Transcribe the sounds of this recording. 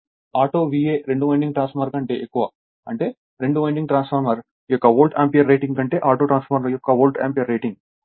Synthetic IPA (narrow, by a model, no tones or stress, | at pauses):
aːʈoːʋieːɾe̞ɳɖumɐjɳɖiŋɡʈɾaːnspɐmɐɾkɐɳʈe̞ːʔekːuʋa | ɐɳʈe̞ː | ɾe̞ɳɖumɐjɳɖiŋɡʈɾaːnspʰɐɾmɐɾ | jɔkːɐʋoːlʈa̰ːmpijɐɾːejʈiŋɡɐɳʈe̞ːʔaːʈoːʈɾaːnsfɐmɐɾmɐjɔkːɐʋoːlʈa̰ːmpijɐɾːejʈiŋɡ